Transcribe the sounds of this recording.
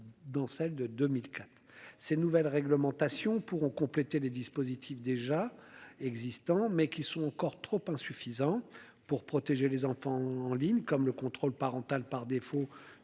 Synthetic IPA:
d̪ɑ̃sɛld̪əd̪ømilkʲat̪χsenuvɛlʁɛɡləmɑ̃t̪asjɔ̃puʁɔ̃kɔ̃plet̪eled̪ispozit̪ʰifd̪eʒaɛɡzist̪ɑ̃mɛkʲisɔ̃ɑ̃kɔʁt̪χopɛ̃syfizɑ̃ | puʁpχɔt̪eʒelezɑ̃fɑ̃ːliɲkɔmləkɔ̃t̪χolpaʁɑ̃t̪alpaʁd̪efo

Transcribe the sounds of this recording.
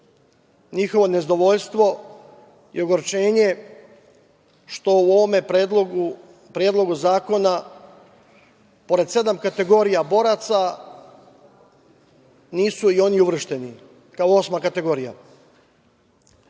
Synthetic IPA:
ɲixo̞ʋo̞ne̞zd̪o̞ʋo̞ʎst̪ʋo̞ | ijuɡoɾt͡ʃe̞ːɲe̞ | ʃt̪o̞uoʋomepːd̪ou | pɾjed̪lˠo̞ɡuzaːko̞na | po̞ɾe̞d̪se̞d̪amkat̪e̞ɡo̞ɾijabo̞ɾat̪sa | niːsuio̞niuʋr̩ʃt̪e̞ni | kaoo̞smakat̪e̞ɡo̞ɾija̰

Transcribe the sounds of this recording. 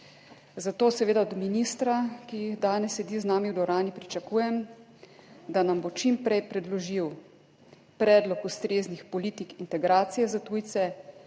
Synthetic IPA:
zat̪oːsɛʋeːd̪ad̪minist̪ɾakijiɣd̪aːnɛsɛd̪iznaːmiwd̪ɔɾaːnipɾit͡ʃakuːjɛm | d̪anambot͡ʃimpɾɛjpɾɛd̪lɔʒiw | pɾɛːd̪lɔkust̪ɾeːznixpɔliːt̪ikint̪ɛɡɾaːt̪sijɛzat̪uːjt̪sɛ

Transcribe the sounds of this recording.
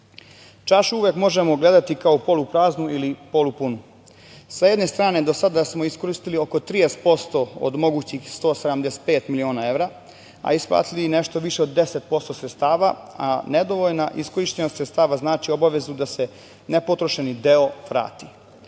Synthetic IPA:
t͡ʃaʃuʋjekmo̞ʒe̞mo̞ɡle̞d̪at̪ikaopo̞lupɾaːznuilipo̞lupunu | saje̞d̪ne̞st̪ɾaːne̞d̪o̞sad̪asmo̞isko̞ɾist̪ilio̞ko̞t̪ɾijest̪̚po̞st̪o̞o̰d̪mo̞ɡuːt͡ɕixst̪o̞ːsed̪amd̪ese̥t̪̚pe̞ːt̪milio̞ːnae̞ʋɾa | a̰isplˠa̰ːt̪iline̞ʃt̪o̞ʋiʃe̞o̞d̪ːe̞se̞t̪̚po̞st̪o̞sɾet̪st̪aːʋaaned̪oʋoʎnaʔisko̞ɾiʃt̪enost̪ɾet̪st̪aːʋaznaːt͡ʃio̞baʋe̞zud̪ase̞ | nepot̪ɾoʃe̞nid̪e̞o̞ʋɾa̰ːt̪i

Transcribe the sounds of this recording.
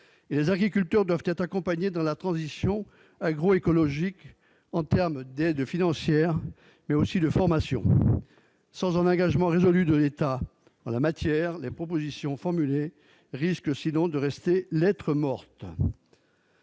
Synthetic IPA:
elezaɡʁik̬ʲylt̪œʁd̪wavt̪ɛt̪χakɔ̃paɲed̪ɑ̃lat̪χɑ̃zisjɔ̃ | aɡʁoekɔlɔʒik | ɑ̃t̪ɛʁmd̪ɛd̪finɑ̃sjɛʁ | mɛosid̪əfɔʁmasjɔ̰̃ | sɑ̃zɛ̃nɑ̃ɡaʒmɑ̃ʁezɔlyd̪əlet̪a | ɑ̃lamat̪jɛʁlepχɔp̬ozisjɔ̃fɔʁmyle | ʁiskəsinɔ̃d̪əʁɛst̪elɛt̪χəmɔʁt̪

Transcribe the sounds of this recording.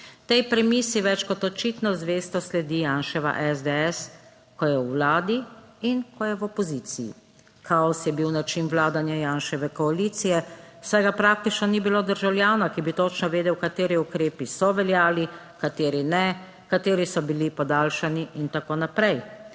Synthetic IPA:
t̪ɛjpɾɛmisiʋɛt͡ʃkɔt̪ɔt͡ʃit̪nɔzʋeːst̪ɔslɛd̪ijaːnʃɛʋa̰ʔɛzd̪ɛɛs | kɔjɛwːlaːd̪i | inkɔjɛwɔpɔzit̪sijḭ | kaɔsjɛbiwnat͡ʃinwlaːd̪anjajaːnʃɛʋɛkɔalit̪sijɛwsɛjɡapɾaːk̚t̪it͡ʃnɔnibiloːd̪əɾʒawlʲjaːnakibit̪ɔt͡ʃnɔʋeːd̪ɛwkat̪eːɾiukɾeːpisɔʋɛljaːli | kat̪eːɾinɛ | kat̪eːɾisɔbilipɔd̪aːlʃaniʔint̪akoːnapɾɛj

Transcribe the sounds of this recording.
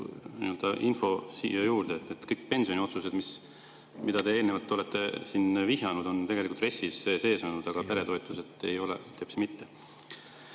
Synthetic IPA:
nḭøld̪ɑʔinfo̞sḭːjɑjuːrd̪̥eːt̪ːˑet̪kɤjkːpe̞nʲsionʲio̞t̪suse̞d̪mis | mid̪ɑd̪e̞eːlnevɑlt̪ːolet̪ːe̞sinviɦjɑnud̪̥o̞nt̪e̞ɡ̥elikult̪re̞sisese̞ːsonud̪̥ɑɡ̥ɑpe̞ɾe̞t̪o̞et̪ːˑuset̪ːˑe̞̰jo̞lḛt̪ʰːepsmit̪ːe

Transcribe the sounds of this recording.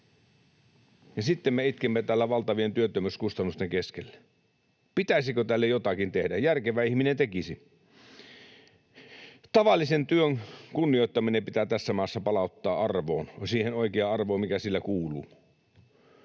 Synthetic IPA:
jɑsit̪ːemːeit̪kemːet̪æːlːæʋɑlt̪ɑʋient̪yøt̪ːømyskust̪ɑnːust̪eŋkeskelːe̥ | pit̪æisikot̪ælːejot̪ɑkint̪ehdæjærkeʋæihminent̪ekisi | t̪ɑʋɑlːisent̪yøŋkunːioˑit̪ːɑminempit̪æt̪æsːæmɑˑːsːɑpɑlɑˑut̪ːɑːʔɑrʋo̰ːnsiːhenoˑikeɑɑrʋoːmikæsilːækuːluː

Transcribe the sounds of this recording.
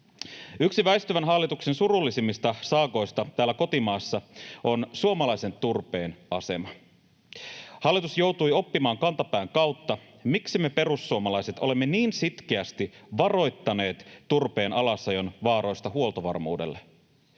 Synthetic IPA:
yksiʋæjst̪yʋænɦɑlːit̪uksensurulːisimːist̪ɑsɑːko̞jst̪ɑt̪æːlːæko̞t̪imɑːsːɑʔo̞nsuomɑlɑjse̞nt̪urpe̞ːnɑse̞̰mɑ | hɑlːˑit̪usjo̞wt̪ujo̞pːimɑːŋkɑnt̪ɑpæːŋkɑwt̪ːɑ | miksime̞pe̞rusːuomɑlɑjse̞t̪ole̞mːe̞niːnsit̪k̟eæst̪iʋɑro̞jt̪ːɑne̞ːt̪ːurpe̞ːnɑlɑsːɑjo̞nʋɑːɾo̞jst̪ɑɦuolt̪oʋɑ̰rmṵːde̞̰lːe

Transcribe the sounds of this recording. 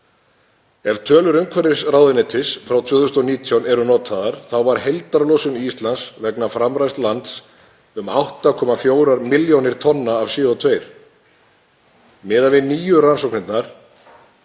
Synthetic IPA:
ɛvt̪ʰœːlʏɾʏmkʰɛɾɪsrawðɪnɪt̪ʰɪsfɾawt̪ʰvʏːθʏst̪ɔniːt̪ʰjawnɛɾʏnɔːt̪ʰaðaɾ̥θawvaɾ̥hejlt̪aɾlowsʏnist̪lansvɛknafɾamɾajst̪lant̪s | ʏma̰wht̪akʰɔːmafjoːwɾaɾmɪljownɪɾ̥t̪ʰɔnːaːvsɪːɔt̪ʰveːjɾ̥ | mɪːðavɪniːjʏransɔwk̚ʰnɪnt̪naɾ̥

